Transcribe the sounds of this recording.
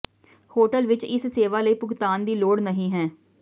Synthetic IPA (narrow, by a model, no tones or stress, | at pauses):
hoːʈəlʋɪt͡ʃɪsseːʋaːləiːpʊkt̪aːnd̪iːloːɽnəɦĩːɦɛː